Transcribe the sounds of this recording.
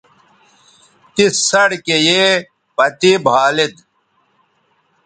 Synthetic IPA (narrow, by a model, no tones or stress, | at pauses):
t̪isɐɽkeje | pɐt̪ibʱaːlid̪̚